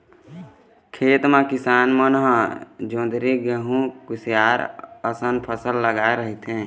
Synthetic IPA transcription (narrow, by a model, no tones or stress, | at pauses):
kʰeːt̪mẽkɪsaːnmənɦəd͡ʒõːd̪ɾiɡəɦũkʊsijaːɾəsənpʰəsəlːəɡaːeɾəɦit̪ɦɛ̃ː